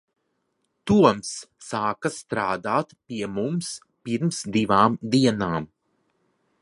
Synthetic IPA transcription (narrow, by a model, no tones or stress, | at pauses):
t̪uɔmsːaːkast̪ɾaːd̪aːt̪piɛmums | piɾmsd̪ivaːmd̪iɛnaːm